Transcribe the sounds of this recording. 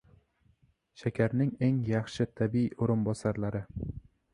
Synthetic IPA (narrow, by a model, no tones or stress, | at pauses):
ʃakʲʰaɾnɪŋe̞ŋjɑχʃɪt̪ʰabioɾɪnbɒsaɾlaɾɪ